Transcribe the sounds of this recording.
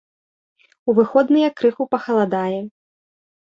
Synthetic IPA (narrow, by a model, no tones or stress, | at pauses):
uvɨxɔd̪nɨjɐkɾɨxupɐxɐlˠad̪ajɛ